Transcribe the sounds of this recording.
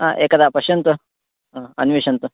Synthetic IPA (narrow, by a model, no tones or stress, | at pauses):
aʔekɐd̪apɐɕɐnt̪ə | ɦɐ̰nʋiɕɐnt̪ə